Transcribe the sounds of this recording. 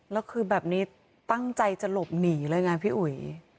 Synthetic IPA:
lɛ˦˥wkʰɯː˧bɛː˨˩p̚niː˦˥ | t̪a˥˩ŋt͡ɕa˧jt͡ɕa˨˩lo˨˩p̚niː˩˦lɤː˧jŋaː˧npʰiː˦˥˩ʔu˨˩˦j

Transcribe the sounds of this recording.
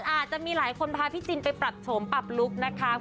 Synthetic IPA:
ʔaː˨˩t̪̚t͡ɕa˨˩ʔmiː˧laː˩˦jkʰo˧npʰaː˧t̪ʰiː˦˥˩t͡ɕi˧npa˧jpɾa˨˩t̪̚t͡ɕʰoː˩˦mpa˨˩p̚lu˦˥k̚na˦˥kʰa˦˥

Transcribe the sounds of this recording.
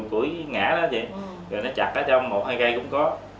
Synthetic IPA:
ku˧˩əjŋa̰ː˧˥ɗɔ˨˦zḭ˧˨ | zo˨˩jnɔ˨˦t͡ɕa˨˩k̚ʔaː˨˦t͡ɕɔ˧wŋ͡mmo˨˩t̚haː˧jka˧jkʊ̰˧˥ŋ͡mkɔ˨˦

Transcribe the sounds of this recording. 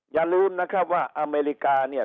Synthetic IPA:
ja˧nɾɯː˧mna˦˥kʰɾa˦˥p̚waː˥˩ʔaː˧meː˧li˦˥kaː˧ni˥˩ɐ

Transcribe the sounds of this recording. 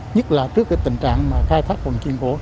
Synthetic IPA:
ɲə˦˥t̚laː˨˩t͡ɕɨ˦˥k̚e˨˦t̪ï˨˩ŋ̟t͡ɕa̰ː˧˨ŋmaː˨˩xaː˧jt̪ʰaː˦˥k̚fə˨˩nt͡ɕi˧ənko˨˦

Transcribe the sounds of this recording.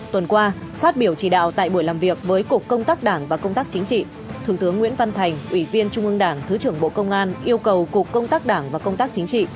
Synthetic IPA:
t̪wə˨˩nkwaː˧ | faː˦˥t̚ɓi˧˩əwt͡ɕi˧˩ɗa̰ː˧˨wt̪a̰ː˧˨jɓu˧˩əjlaː˨˩mvi˨˩ək̚vəː˨˦jku˨˩əkːə˧wŋ͡mt̪aː˦˥k̚ɗaː˧˩ŋvaː˨˩kə˧wŋ͡mt̪aː˦˥k̚t͡ɕï˨˦ŋ̟t͡ɕḭ˧˨ | t̪ʰɨ˨˩əŋt̪ɨ˨˦əŋːwḭ˧˥ənva˧nt̪ʰa˨˩jŋ̟ʔwi˧˩vi˧ənt͡ɕʊ˧ŋ͡mʔɨ˧ŋɗaː˧˩ŋt̪ʰɨ˨˦t͡ɕɨ˧˩əŋɓo̰˧˨kə˧wŋ͡mʔaː˧nʔi˧əwkə˨˩wkəkːə˧wŋ͡mt̪aː˦˥k̚ɗaː˧˩ŋvaː˨˩kə˧wŋ͡mt̪aː˦˥k̚t͡ɕï˨˦ŋ̟t͡ɕḭ˧˨

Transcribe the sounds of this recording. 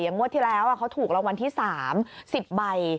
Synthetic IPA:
ja˨˩ŋu˥˩t̪ʰːiː˥˩lɛː˦˥wʔa˨˩kʰa˦˥wt̪ʰuː˨˩k̚ɾa˧˦˥wa˧nt̪ʰiː˥˩saː˩˦msi˨˩p̚ba˧j

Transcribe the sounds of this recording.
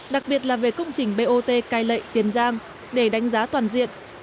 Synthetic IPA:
ɗa˨˩k̚ɓi˨˩ət̚laː˨˩ve˨˩kə˧wŋ͡mt͡ɕï˨˩ŋ̟ɓe˧ʔo˧t̪e˧kaː˧jlə̰ː˧˨jt̪i˨˦ənzaː˧ŋ | ɗe˧˩ɗa˨˦jŋ̟zaː˨˦t̪waː˨˩nzḭ˧˨ənʔ

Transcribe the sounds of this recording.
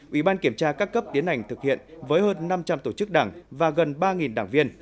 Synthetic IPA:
ʔwḭ˧˩ɓaː˧nki˧˩əmt͡ɕaː˧kaː˦˥kːə˦˥p̚t̪i˨˦ənha˨˩jŋ̟t̪ʰɨ˨˩k̚hḭ˧˨ənvəː˨˦jhəː˧nːa˧mt͡ɕa˧mt̪o˧˩t͡ɕɨ˦˥k̚ɗa̰ː˧˩ŋvaː˨˩ɣə˨˩nɓaː˧ŋi˨˩nɗa̰ː˧˩ŋvi˧ən

